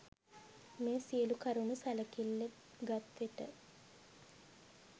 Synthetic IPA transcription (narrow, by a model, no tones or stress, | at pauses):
meːsiəlukaɾunusaləkilːe | ɡat̪ʋeʈə